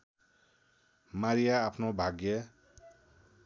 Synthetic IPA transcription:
maɾijaːpʰnobʱaɡjʌ

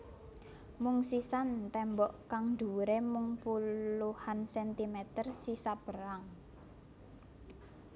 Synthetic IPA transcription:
muŋsisant̪ɛmbɔʔkaŋnɖ̪ṳɾemʊŋpuluhansɛnt̪imet̪ərsisab̥əɾaŋ

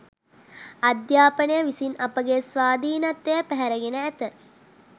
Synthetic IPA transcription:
ɐd̪jaːpənəjəʋisinɐpəɡesʋaːd̪iːnɐt̪ːejəpæɦæɾəɡenəæt̪ə

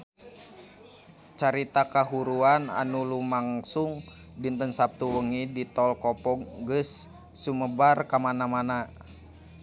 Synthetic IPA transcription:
t͡ʃaɾit̪akaɦuɾuana̰nulumaŋsuŋ | dint̪ənsap̚t̪uwəŋidit̪ɔlkɔpɔŋɡəsː | uməbarkamanamana

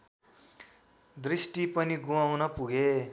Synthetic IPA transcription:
d̪risʈipʌniɡumawnʌpuɡe

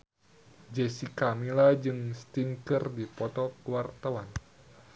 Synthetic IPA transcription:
d͡ʒesikamilad͡ʒɨŋst̪iŋkərdipɔt̪ɔkuwart̪awan

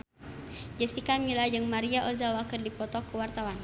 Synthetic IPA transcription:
d͡ʒəsikamilad͡ʒɨŋmaɾiaʔozawakərdipɔt̪ɔkəwart̪awan

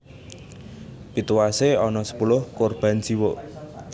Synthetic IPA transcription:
pit̪uwaseɔnɔsə̥pulʊhkʊrb̥a̤nd͡ʒ̥iwo

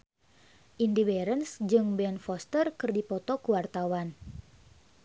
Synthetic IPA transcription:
ʔindibɛɾənsd͡ʒɨŋbɛnfɔst̪ərkɨrdipɔt̪ɔkuwart̪awan

